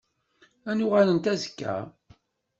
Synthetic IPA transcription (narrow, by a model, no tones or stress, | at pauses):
ænʊʁælənt̪æzəkːæ̰